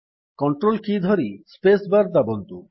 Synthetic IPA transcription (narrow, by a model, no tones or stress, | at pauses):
kɔɳʈɾolkid̪ʱɔɾispesbaɾd̪abɔnt̪u